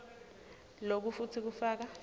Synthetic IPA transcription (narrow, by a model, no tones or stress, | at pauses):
lok̬ufutʰik̬ufaːk̬a